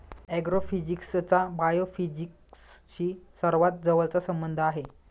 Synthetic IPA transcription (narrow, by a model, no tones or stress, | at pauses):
ɛɡɾofid͡ʑikst͡sabajofid͡ʑik | sɕiːsəɾʋat̪̚d͡zəʋəlt͡sasəmbənd̪ʱəaɦe